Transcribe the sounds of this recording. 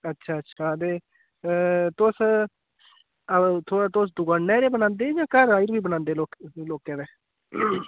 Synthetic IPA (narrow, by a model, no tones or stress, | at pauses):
ətːʃʰaːətːʃʰaːd̪eː | t̪ʊs | ət̪ʰoːat̪ʊsd̪ʊɡaːnːɛːɾeːbənãːnd̪eːd͡ʒãːkəɾaːiːɾbiːbənãːnd̪eːloːkloːkɛ̃ːdeː